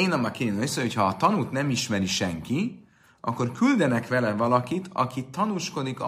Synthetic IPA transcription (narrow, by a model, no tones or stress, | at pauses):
eːnɒmɑkensøocʰhɒːt̪ɒnut̪nɛmiʃmɛɾiʃɛŋki | ʔɒ̰kːo̞rkyld̪ɛnɛkʋɛlɛvɒlɒkit̪ɒ̰kit̪ːɒnuʃko̞d̪ik